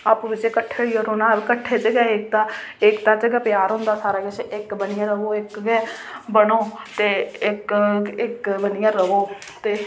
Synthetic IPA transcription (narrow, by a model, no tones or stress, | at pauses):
aːpːʋɪt͡ʃekəʈʰːeːɽioːɾoːnãːbkəʈʰːeːt͡ʃeɡɛːɪk̚t̪ãːɪkt̪ãːt͡ʃəɡaːpjaːɾɦʊ̃nd̪aːsaːɾaːkət͡ʃʔɪkbənɪjãːɾəʋoːɪkɡɛːbəɽoːt̪eːɪkɪkbənɪjãːɾəʋoː | t̪eː